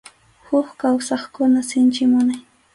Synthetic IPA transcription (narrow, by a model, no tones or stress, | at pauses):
hʊkkawsɑχkʊnasɪnt͡ʃɪmʊnaj